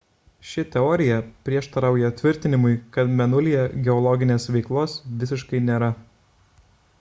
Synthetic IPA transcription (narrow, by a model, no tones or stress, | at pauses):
ʃʲɪt̪ʲɛɔːɾʲɪjɛpʲɾʲiɛʃt̪ɐɾɑˑʊjɛt̪ʲʋʲɪɾʲt̪ʲɪnʲɪmʊɪkɐt̪mʲɛnʊlʲijɛɡʲɛɔlˠɔɡʲɪnʲeːsʋʲɛɪklˠoːsʋʲɪsʲɪʃkɐɪnʲeːɾɐ